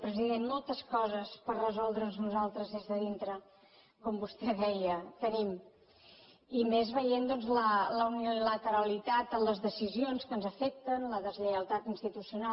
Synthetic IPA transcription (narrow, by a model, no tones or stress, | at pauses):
pɾəziðenmɔlˠt̪əskɔzəspərrəzɔlˠd̪ɾənznuzalˠt̪ɾəzðezðəðint̪ɾə | kɔmbust̪ɛðɛjət̪ənim | imezβəjend̪ɔnzlələunilət̪əɾəlit̪at̪əmləzðəsizionskənzəfɛk̚t̪ənləðəzʎəəlˠt̪at̪inst̪it̪usiuna